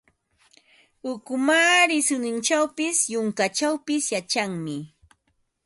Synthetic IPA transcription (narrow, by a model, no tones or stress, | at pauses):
ʊkʊmaːɾɪsʊnɪnt͡ʃawpɪsjʊŋkat͡ʃawpɪsjat͡ʃaŋmɪ